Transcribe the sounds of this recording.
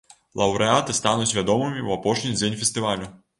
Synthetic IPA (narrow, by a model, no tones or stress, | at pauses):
lˠɐwɾɛat̪ɨst̪anut͡sʲvʲad̪ɔmɨmʲiwapɔʂnʲid͡zʲenʲfʲɛst̪ɨvalʲu